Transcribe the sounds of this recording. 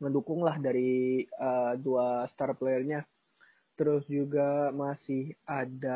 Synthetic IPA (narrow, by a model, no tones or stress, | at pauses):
ŋəndukʊŋlahdaɾiəduast̪arplaərɲa | t̪əɾʊsd͡ʒuɡamasɪhada